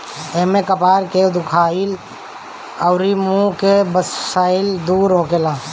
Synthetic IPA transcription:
eɦmẽkəpaːɾked̪ʊkʰaːɪl | əʊɾimũkebəsaːɪld̪uːɾɦõːkelãː

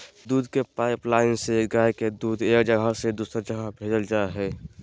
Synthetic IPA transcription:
d̪uːd̪ʱkepaːɪplaːɪnseɡajked̪uːd̪eːkd͡ʒəɡʱased̪uːsəɾd͡ʒəɡʱabʱeːd͡ʒəld͡ʒaːeɦɛː

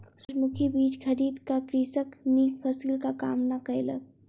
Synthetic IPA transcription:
sɾmukʰibiːt͡ʃkʰəɾiːd̪kakɾiːsəkmiːkpʰəsiːlkaka̰ːmnakəelə̰ɡ

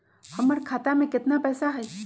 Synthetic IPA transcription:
həməɾkʰaːt̪amẽkɪt̪napɛːsaɦɛː

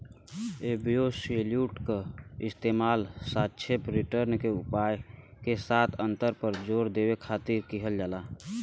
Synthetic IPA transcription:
ebijoseljuʈkeɪst̪emaːlsatt͡ʃʰepɾiʈəɾnkeupajkesat̪ʰənt̪əɾpəɾd͡ʒoɾd̪ebekʰat̪iɾkiɦəld͡ʒala

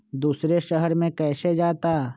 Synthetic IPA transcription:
d̪uːsɾeʃəɦəɾmẽkɛːsed͡ʒaːt̪aː

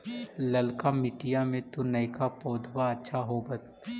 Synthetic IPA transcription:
lɐlkamɪʈijamẽt̪unɐjkapɔːd̪ʱwaɐtːʃʰaɦobət̪

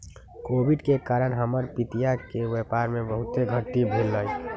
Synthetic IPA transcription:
kobiɖkekaːɾənɦəməɾpit̪ijakeʋepaɾmẽbəɦʊt̪eɡʱəʈːibʱelːəj

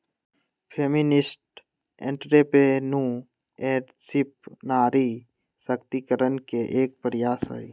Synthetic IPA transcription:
pʰeːmɪnɪsʈ | ḛ̃ɳʈɾepenũ | eːɾ | sɪp̚naːɾi | səkt̪ikəɾənkeʔeːk̚pəɾɪjaːsɦo̰i

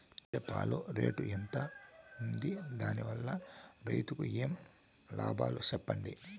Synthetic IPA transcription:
t͡ʃɛpːa̰ːloɾe̞̰ːʈuɛnt̪ɐund̪id̪aːniʋɐlːɐɾɐjt̪ukṵeːm | la̰ːbʱaːlut͡ʃɛpːɐɳɖi

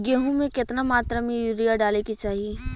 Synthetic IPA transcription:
ɡeːɦõmẽkɪt̪namaːt̪ɾamẽjʊɾijaɖaːlekit͡ʃaːɦie

